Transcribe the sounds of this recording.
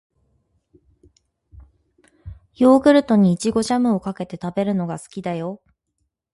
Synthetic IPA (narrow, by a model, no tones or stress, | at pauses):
jo̞ːɡɯ̟ɾɯ̟t̪o̞ɲ̟iːt͡ɕiɡo̞ʑamɯ̟o̞kake̞t̪e̞t̪abe̞ɾɯ̟no̞ɡasɨ̥kʲid̪ajo̞